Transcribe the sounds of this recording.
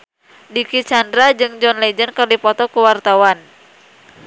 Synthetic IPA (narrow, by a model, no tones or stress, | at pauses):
dikit͡ʃandɾad͡ʒɨŋd͡ʒɔnlɛd͡ʒənkɨrdipɔt̪ɔkuwart̪awan